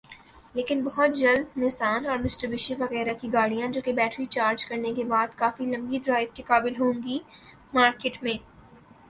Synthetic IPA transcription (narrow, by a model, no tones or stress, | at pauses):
leːkɪnbɐɦʊt̪̚d͡ʒɐld̪nɪsaːnɔːɾmɪsʈəɾbɪʃeʋɐɣɛːɾakiɡaːɽijãd͡ʒoːkebɛːʈɾit͡ʃaːɾd͡ʒkɐɾnekebaːd̪kaːfilɐ̃mɡiɖɾaːɪʋkekaːbɪlɦõːŋɡi | maːɾkeːʈmẽː